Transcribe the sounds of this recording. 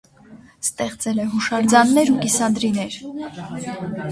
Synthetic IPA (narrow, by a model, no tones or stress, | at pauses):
st̪ɛχt͡sɛlɛɦuʃɑɾd͡zɑnːɛɾukisɑnd̪ɾinɛɾ